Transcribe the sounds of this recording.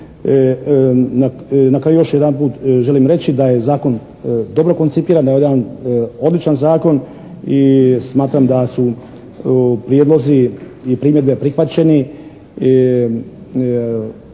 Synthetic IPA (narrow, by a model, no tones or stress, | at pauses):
nanakɾajujo̞ʃjed̪anpuːt̪ʒe̞limɾe̞t͡ɕid̪aje̞zaːko̞n | d̪o̞bɾo̞ko̞nt̪sipiːɾand̪ajeed̪ano̞d̪lit͡ʃanzaːko̞n | ismaːt̪ɾamd̪asu | pɾijeːd̪lo̞ziipɾiːmje̞d̪bepɾixʋat͡ɕe̞ni